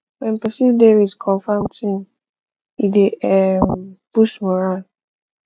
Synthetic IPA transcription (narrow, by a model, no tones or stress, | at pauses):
wɛ̃npəsivdevidkʰɔ̃ɱfamtʰĩn | ideʔɛmbusmɔɾal